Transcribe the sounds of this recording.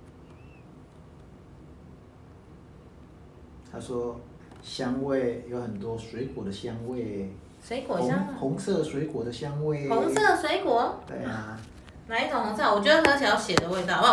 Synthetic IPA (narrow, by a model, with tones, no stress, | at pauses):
t̪ʰa˥ʂwɔ˥ | ɕjɑ˥ŋwe˥˨˩ɪjo˧˥ʊxə˨˩nt̪wɔ˦˥swe˧˥ɪkwɔ˨˩d̪ə˦ɕjɑ˥ŋwe˥˨˩ɪ | swe˧˥ɪkwɔ˨˩˧hʊ˧˥ŋsɤ˥˧˩swe˧˥ɪkwɔ˨˩d̪ə˦ɕjɑ˥ŋwe˥˩ɪʊ˧˥ŋsɤ˥˩swe˧˥ɪkwɔ˨˦t̪wḛ˥˩ɪa˩ | na˧˥ɪ˥t͡s̪o˨˩ŋʊ˧˥ŋsa˥˩wɔ˨˩t͡ɕɥʲɛ˧˥d̪ə˧˥xə˧˥ɕjɑ˨˧˥ʊɕjɛ˨˩d̪ə˦we˥˧ɪt̪ɑ˥˨˥